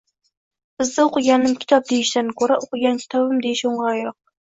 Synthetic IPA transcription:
b̥ɪzd̪ɪoqɨɡʲɑnːɪmkʲʰɪ̥t̪ʰɒp̚d̪ejɪʃd̪ænkʰʲɵɾaʔoqɨɡʲɑnkʲʰi̥t̪ʰɒbɨmd̪ejɪʃoɴʁɑɾjoq̚

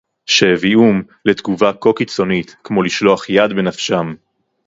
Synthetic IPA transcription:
ʃevium | let̪ɡuvako̞kit͡so̞nit̪kmo̞liʃlo̞aχjad̪benafʃam

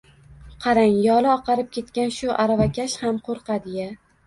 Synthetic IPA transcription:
qʰɑɾaŋjɒlˠɪɒqɑɾɪp̚kʲe̞t̪kʲanʃʊʔaɾavakʲaʃhamqʰoɾqɑd̪ɪja

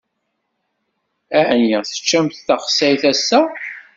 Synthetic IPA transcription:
æʕniʁθə̥t͡ʃːæmθːæχə̥sːæjθæsːæ

